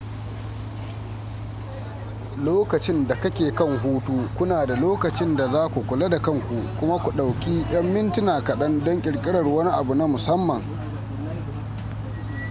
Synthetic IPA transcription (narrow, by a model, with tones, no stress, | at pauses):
loː˦kɐ˨t͡ʃɪ˦nda˨kɐ˦kʲeː˨kɐ˦˨ŋɦuː˦tuː˦kʷʊ˦naː˨da˨loː˦kɐ˨t͡ʃɪ˦nda˨zaː˦kʷu˨kʷʊ˨le˦da˨kɐ˦ŋkʷu˨kʷʊ˦ma˦kʷu˨ɗa˨wkʲiː˦j̰ɐ˦mːɪ˦ntɪ˦naː˨kɐ˨ɗɐ˦ndɔ˦ŋkʲʼɪ˨ɽkʲʼɪ˦ɽɐ˨rwɐ˦ni˦ʔa˨bu˨na˦mʊ˨sɐ˦mːɐ˨ŋ